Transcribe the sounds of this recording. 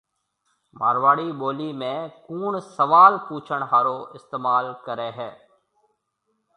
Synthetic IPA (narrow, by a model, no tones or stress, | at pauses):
ma̰ːɾʋaːɽiboːlimẽkuːɳsɐʋaːlpuːt͡ʃʰəɽ̃ɦaːɾoɪst̪eːmaːlkəɾeɦɛː